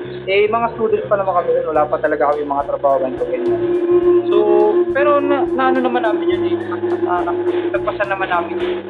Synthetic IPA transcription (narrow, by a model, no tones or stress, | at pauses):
ʔɛjmɐŋast̪uːd̪ɐnspɐnɐmankɐmɪʔɐnwɐlaːpɐt̪ɐlɐɡakɐjʊŋmɐŋat̪ɾɐbaːhobɐnkobɛnːaso̞pɛːɾo̞nanaʔɐnonɐmanːaːmɪnjʊniɐɐaʔɐt̪ɐɡ̚pɐsanːɐmanːaːmɪn